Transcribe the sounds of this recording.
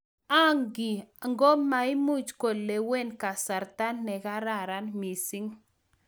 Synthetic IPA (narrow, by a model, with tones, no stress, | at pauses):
a˦ŋɡi˨a˨ŋɡo˦ma˨˦i˦mu˦˨t͡ʃko˨le˨we˦˨nka˨sa˨ɾta˦nːɛ˨ka˦ɾa˦˨ɾa˦nmi˨si˦ŋ